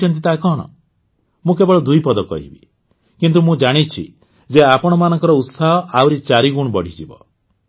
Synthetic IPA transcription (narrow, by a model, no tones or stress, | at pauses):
ɔnt̪̬it̪akɔɦɽ̃ɔ̰ | mũkebɔɽɔd̪ujpɔd̪ɔkɔ̰ɦḭbḭ | kint̪̬umũd͡ʒaɽ̃it͡ʃʰḭ | d͡ʒeapɔɽ̃ɔmanɔŋkɔɾɔut̪saɦɔʔawɾit͡ʃaɾiɡuɽ̃bɔɽ̤ʱid͡ʒibɔ̰